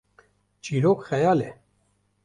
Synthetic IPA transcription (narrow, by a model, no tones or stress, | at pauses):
d͡ʒiːɾoːkxɛjɑːle